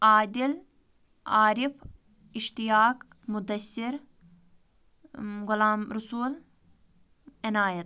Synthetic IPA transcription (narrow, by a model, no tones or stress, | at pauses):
ʔaːd̪il | aːɾif | ɪʃt̪ijaːk | mʊd̪ɐsːiɾ | ɡʊlaːmɾʊsuːl | ɪnaːjɐt̪̚